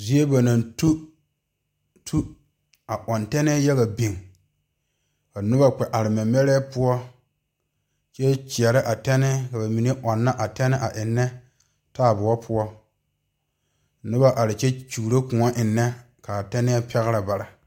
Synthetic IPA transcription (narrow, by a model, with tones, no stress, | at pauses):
zi˦e˦ba˨na˨ntu˦ | tʰu˦ | a˨ʔɔ˨ntɛ˦nɛː˦jɛ˦ɣa˨bi˨ŋ | ka˨nɪ˦ba˦k͡pɛ˨ʔa˨ɾɪ˨mɛ˨mɛ˦ɾɛː˦pʊ˦ɔ˦ | t͡ʃɛ˦t͡ʃi˨ɛ˨ɾɪ˦ʔa˨tɛ˦nɪ˦ka˨ba˨mi˨ne˦ʔɔ˨nːa˦ʔa˨tɛ˦nɪ˦ʔa˨ʔɪ˨nːɛ˦ | taː˦˨bʊ˨wɔ˦pʰʊ˦ɔ˦ | nʊ˦ba˦ʔa˨ɾɪ˨t͡ʃɛ˦t͡ʃu˨ɾe˦kʊ̃˨ŋɔ˦ʔɪ˨nːɛ˦ | ka˨tɛ˦nɛː˦pʰɛ˦ɣɪ˦ɾa˨ba˨ɾa˨